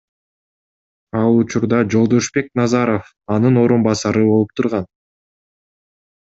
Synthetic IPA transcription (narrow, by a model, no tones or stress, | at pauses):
ɑlˠut͡ʃuɾd̪ɑd͡ʒo̞lˠd̪o̞ʃbe̞k̚nɑzɑɾo̞f | ɑnɯno̞ɾumbɑsɑɾɯbo̞lˠup̚t̪ʰuɾʁɑn